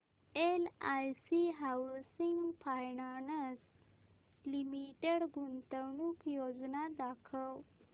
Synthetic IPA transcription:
elajsiɦawsiŋɡpʰajɳanəs | limiʈeɽɡunt̪əɳukjod͡ʒnad̪akʰəw

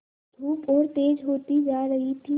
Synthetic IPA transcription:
d̪ʱuːpɔːɾt̪eːd͡ʒɦoːt̪id͡ʒaːɾəɦit̪ʰi

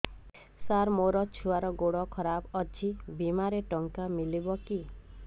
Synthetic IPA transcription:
saɾmoɾɔt͡ʃʰuaɾɔɡoɽɔkʰɔɾabɔd͡ʒʰibimaɾeʈɔŋkamilibɔki

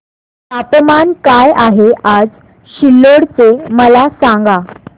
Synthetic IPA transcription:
ap̪əmankajaɦeʔad͡z | ɕilːoɽt͡seməlasaŋɡa

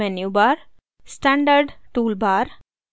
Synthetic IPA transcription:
enjubaːɾ | sʈɛ̃ɳɖəɾɖʈuːlbaːɾ

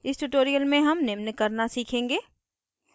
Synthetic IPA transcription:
ɪsʈuʈoːɾijəlmẽɦɐmnɪmnkɐɾnasiːkʰẽːŋɡeː

